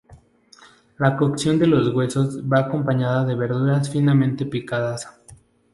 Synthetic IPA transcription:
lakoksjo̞nd̪e̞lo̞zɣwe̞so̞zβaːko̞mpaɲaðaðe̞βe̞ɾðuɾasfinamẽnt̪e̞pikaðas

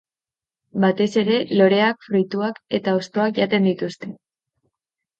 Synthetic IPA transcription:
bat̪e̞se̞ɾe̞lo̞ɾe̞akfɾujt̪uake̞t̪ao̞st̪o̞akʝat̪e̞nd̪it̪ust̪e̞

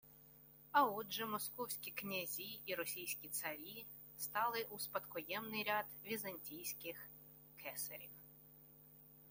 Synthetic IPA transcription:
ɐɔdʒɛmɔskɔwsʲkʲiknʲɐzʲiiɾɔsʲijsʲkʲit̪sɐɾʲi | st̪ɑlˠɪʔuspɐt̪kɔjɛmnɪjɾʲad̪ʋʲizɐnʲtʲijsʲkɪx | kʰɛsɐ̰ɾʲḭw

